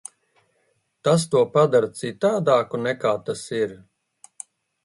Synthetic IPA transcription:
t̪as̬t̪uɔpad̪aɾt̪sit̪aːd̪aːkunɛkaːt̪asiɾ

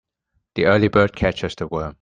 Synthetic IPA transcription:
ðiɜːlibɜːd̥̚kʰæt͡ʃəz̥təwɜːm

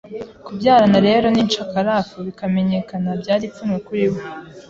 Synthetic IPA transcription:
kubɟaːɾanaɾe̞ːɾo̞nint͡ʃakaɾaːfuβikame̞ɲe̞kanabɟaːɾit͡sumŋekuɾiβo

